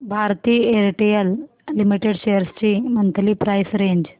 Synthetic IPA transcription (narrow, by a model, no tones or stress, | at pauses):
bʱaɾt̪iːeɾʈijəl | limiʈeɖɕejəɾst͡ɕiːmənt̪ʰliːpɾajsɾeɲd͡ʑ